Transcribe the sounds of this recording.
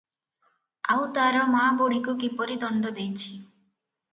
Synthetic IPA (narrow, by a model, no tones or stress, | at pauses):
a̰wt̪aɾɔmaboɽikukipɔɾid̪ɔɳɖɔd̪ejt͡ʃʰi